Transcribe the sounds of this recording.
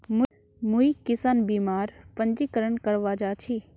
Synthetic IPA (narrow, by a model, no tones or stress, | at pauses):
mʊ | muikɪsaːnbiːmaːɾpəɲd͡ʒikəɾəɳkəɾʋaːd͡ʒaːt͡ʃʰi